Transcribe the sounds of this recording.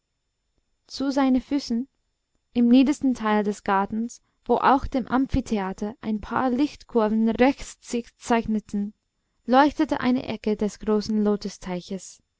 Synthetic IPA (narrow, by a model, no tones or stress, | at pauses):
t͡suzaɪnənfyːsn̩ | ɪmniːdəstn̩tʰaɪldɛsɡ̥aɐtn̩s | v̥oːʔa̰ʊxd̥eːmʔamfitʰeaːtʰɐʔa̰ɪnpʰa̰ːɐlɪxtkʰʊɐvn̩ʁɛçt͡st͡sɪçt͡saɪçnətn̩ | lɔʏçtətə̰ʔa̰ɪnə̰ʔɛkədɛsɡ̥ʁoːsn̩loːtəstʰaɪçəs